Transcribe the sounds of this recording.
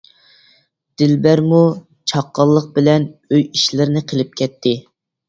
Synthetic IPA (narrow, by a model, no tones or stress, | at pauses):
d̪̥ɪlbæɾmu | t͡ʃʰɑqːɑlˠːəq̚bɪlɛnøjiʃlɪɾɪnɪqʰəlˠɪp̚kʲʰɛt̪ʰːɪ